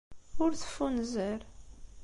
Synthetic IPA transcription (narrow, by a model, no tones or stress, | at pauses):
ʊɾθə̥fːunzəɾ